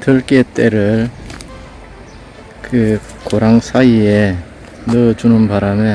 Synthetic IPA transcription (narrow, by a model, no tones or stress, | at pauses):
tɯɭk͈et͈ʼeɾɯɭ | kɯ | koɾaŋsʰaie | nɯd͡ʑunɯnpaɾame